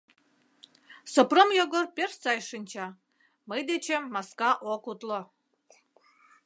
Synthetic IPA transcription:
sopromjoɡorpʲerst͡sɑjʃɨnʲt͡ɕɑ | məjd̪et͡ɕemːɑskɑʔokut̪lo

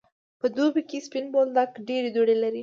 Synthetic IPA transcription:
pəd̪obikespinbold̪akɖeɾed̪oɽelaɾi

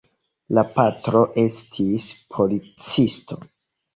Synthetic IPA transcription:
lapatɾo̞ʔe̞stʰispʰo̞lit͡sistʰo̞̰

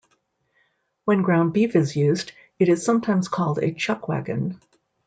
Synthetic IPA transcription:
wɨ̃nɡɹãʊ̃nbifɨzjʉzd | ɨɾɨz̥sʌ̃mtʰãɪ̃mz̥kʰɔlˠdɨ̰t͡ʃʰʌkwæ̰ɡɨ̰̃n

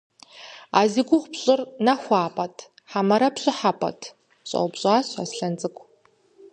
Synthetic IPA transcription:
aːziːɡʷʊχʷpɕʼɪrnɐxʷɑːpʼɐtʰ | ħamɐɾɐpɕʼɪħapʼɐ̰tʰ | ɕʼɐ̰wbɕʼaːɕa̰sɬɐnd͡zʼɨkʷʰʼ

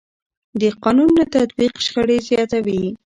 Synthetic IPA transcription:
d̪əqɑnunːat̪at̪biqʃxəɽezjɑt̪awi

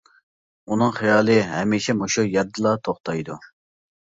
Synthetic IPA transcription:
unɨŋχijɑːlˠɨɦɛmiʃɛmoʃujɛɾd̪ɨlˠɑt̪ʰoχt̪ɑjd̪u

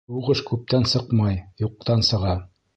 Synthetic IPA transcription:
uʁɤʃkʉp̚t̪ænsɤqmɑjjuq̚t̪ɑnsɤ̆ʁɑ

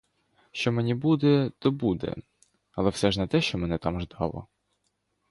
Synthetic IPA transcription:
ʃt͡ʃɔmenʲibud̪ɛt̪ɔbud̪ɛ̰ | ɐlˠɛwsɛʒnɐt̪ɛʃt͡ʃɔmɛnɛt̪ɑmʒd̪ɑlˠɔ̰

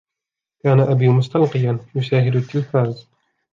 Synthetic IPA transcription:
kaːnaʔabiːmʊst̪ɑlqɨjanjʊsaːɦɪd̪ʊt̪ːɪlfaːz

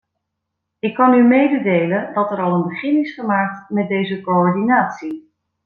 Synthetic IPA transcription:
ɪkːɑnymejdədejləndɑtɛɾɑlˠənbəχɪnɪsχəmaːk̚tmɛt̚dejzəkoɔɹdinaːtsi

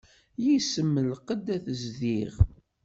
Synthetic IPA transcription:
jisəmːəlqəd̪æθəzðiʁ

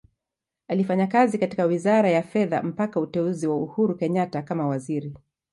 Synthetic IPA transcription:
alifaɲakazikati̥kawizaɾajafɛða̰m̩pakautɛuziwauhuɾukɛɲatakamawaziɾi

